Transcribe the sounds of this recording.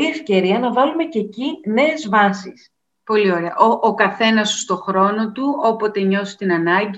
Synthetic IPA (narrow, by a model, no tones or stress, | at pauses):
ie̞fce̞ɾiɐnɐvɐlume̞cecine̞ːzvɐsis | po̞lio̞ɾe̞ɐʔoʔokɐθe̞nɐsu̥st̪o̞xɾo̞no̞t̪uo̞po̞t̪e̞ɲo̞si̥t̪inɐnɐɟ